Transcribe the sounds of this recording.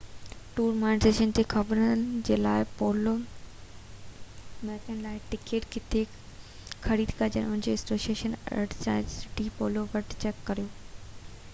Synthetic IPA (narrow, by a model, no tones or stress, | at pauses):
ʈuːɾmaːɪnzɾeːʃənd͡ʑeːkʰɐbɾənd͡ʑeːlaːɪpoːlo | mɛːkənɪlaːɪʈɪkeːʈkɪt̪ʰe | xʰɐɾiːd̪kɐd͡ʑɐnʊɦɪ̃ɲd͡ʑeːɪsoːʃieːʃənɐ̰ʈt͡ɕa̰ːd͡ʑsɪʈipoːloʋɐʈt͡ɕɛkːɐɾijoː